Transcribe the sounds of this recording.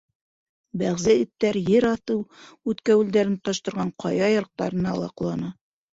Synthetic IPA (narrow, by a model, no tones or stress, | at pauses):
bæʁzæit̪ːæɾjɘɾɑθɤwʉt̪kæwʉld̪æɾɘnt̪ɑʃt̪ɤ̆ɾʁɑɴqʰɑjɑjɑɾq̚t̪ɑ̰ɾɤ̆nɑ̰lˠɑ̰qlˠɑnɤ